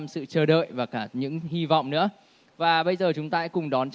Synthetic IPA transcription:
msɨ̰˧˨t͡ɕəː˧˩ɗə̰ː˧˨jvaː˨˩kaː˧˩ɲɨ̰˧˥ŋhi˧vɔ̰˧˨wŋ͡mnɨ̰˧˥ə | vaː˨˩ɓə˧jzəː˨˩t͡ɕʊ˨˦ŋ͡mt̪aː˧˦˥kʊ˨˩ŋ͡mɗɔ˨˦nt͡ɕ

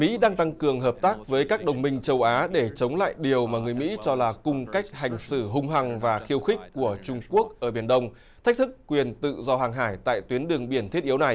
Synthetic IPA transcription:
mḭ˧˥ɗaː˧ŋt̪a˧ŋkɨ˨˩əŋɦəː˨˩p̚t̪aː˦˥k̚vəː˨˦jkaː˦˥k̚ɗə˨˩wŋ͡mmï˧ŋ̟t͡ɕə˧wʔaː˨˦ɗe˧˩t͡ɕə˨˦wŋ͡mla̰ː˧˨jɗi˨˩əwmaː˨˩ŋɨ˨˩əjmḭ˧˥t͡ɕɔ˧laː˨˩kʊ˧ŋ͡mka˦˥jk̚ha˨˩jŋ̟sɨ˧˩ɦʊ˧ŋ͡mɦa˨˩ŋvaː˨˩xi˧əwxï˦˥k̚ʲku˧˩ət͡ɕʊ˧ŋ͡mku˦˥ək̚ʔəː˧˩ɓi˧˩ənɗə˧wŋ͡m | t̪ʰa˦˥k̚t̪ʰɨ˦˥kːwi˨˩ənt̪ɨ̰˧˨zɔ˧haː˨˩ŋɦaː˧˩jt̪a̰ː˧˨jt̪wi˨˦ənɗɨ˨˩əŋɓi˧˩ənt̪ʰi˦˥t̚ʔi˨˦əwna˨˩j

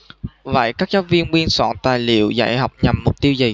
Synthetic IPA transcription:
və̰˧˨jkaː˦˥k̚zaː˦˥vi˧ənŋwi˧ənswa̰ː˧˩nt̪aː˨˩jlḭ˧˨əwza̰ː˧˥˩jha˨˩wk͡p̚ɲa˨˩mːʊ˨˩k͡p̚t̪i˧əwzə˨˩

